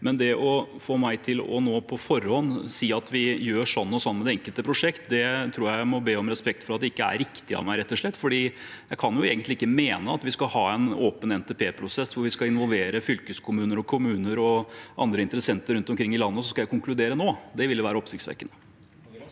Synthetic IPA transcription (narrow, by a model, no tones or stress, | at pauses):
mɛnd̪ɛʔɔfoːmæɪt̪ʰɪlɔ̰noːpʰɔfɔɾhɔnsiːɑt̪ʋɪjøːʂɔnːɔsɔnːmɛd̪ɛɛŋkəlt̪əpʰɾʊʂɛkt̪d̪ɛt̪ʰɾuːɾjæɪmɔbeːɔmɾɛspɛkt̪fɔɾɑt̪̚d̪ɛɪkːəæ̰ɾɪkt̪ɪɑ̰ʋmæɪɾɛt̪ːɔʂɭɛt̪ːfɔɖiːjæɪkʰɑnjʊeːɡənt̪lɪɪkːəmeːnəɑt̪ʋɪskɑlhɑːɛnoːpənɛnt̪ɛpʰeːpʰɾʊsɛsːʋʊɾʋɪskɑlɪnʋɔlʋeːɾəfʏlkəskʰʊmʉːnəɾɔkʰʊmʉːnəɾɔʔɑnd̪ɾəɪnt̪əɾəsɛnt̪əɾʉnt̪ɔmkʰɾɪŋːɪlɑnːəsɔskɑjæɪkʰʊŋklʉd̪eːɾənoːd̪ɛʋɪld̪əʋæːɾəɔpsɪkt̪sʋḛːkənːə